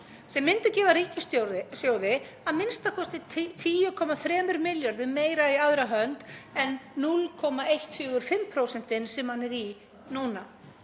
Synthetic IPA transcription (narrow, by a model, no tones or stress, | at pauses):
sɛmːɪnt̪acɛːvaɾiːcɪssjoːwðɪ | amɪnst̪akʰɔst̪ɪtt̪ʰiːjʏkʰɔmaθɾɛːmʏɾmɪljaɾðʏmeːjɾaiaðɾaɦœnt̪ɛnːulkʰɔmaejht̪ʰːʏːɣʏɾ̥fɪmpʰɾowsɛn̥t̪ɪnsɛmhanːɛɾi | nuːna